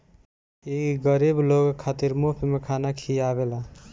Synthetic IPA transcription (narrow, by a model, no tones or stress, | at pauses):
iɡəɾibloɡkʰːat̪iɾmopʰimekʰanakʰiaβela